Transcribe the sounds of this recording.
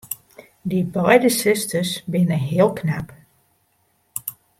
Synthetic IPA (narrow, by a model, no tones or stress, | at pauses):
dibɔjdəsɪstəsbɪnəɦɪəlˠkʰnap